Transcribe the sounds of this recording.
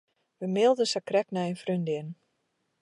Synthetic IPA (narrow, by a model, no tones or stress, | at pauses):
ʋəmɪlˠdəsakrɛknɛjənfrøndɪn